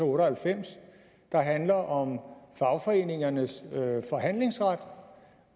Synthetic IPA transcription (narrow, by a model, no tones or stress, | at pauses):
oːɾəhælfem̰s | d̥ɑ̈ɦænlɐʔɒ̽mfɑ̈ʊfɒ̽e̝̰ːne̝ŋɐnəsfɒ̽ɦæn̰le̝ŋsʁad̥